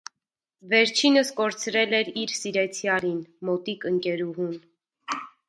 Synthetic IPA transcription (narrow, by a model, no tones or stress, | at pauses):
vɛɾt͡ʃʰinəskɔɾt͡sʰɾɛlɛɾiɾsiɾɛt͡sʰjɑɾinmɔt̪ikəŋkɛɾuɦun